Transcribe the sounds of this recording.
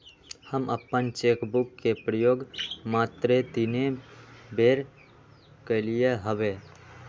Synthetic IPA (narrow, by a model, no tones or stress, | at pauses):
həmʔəpːənt͡ʃeːkbʊkːepɾəjoːɡmaːt̪ɾet̪inebʱeːɾ | kelijeɦəʋeː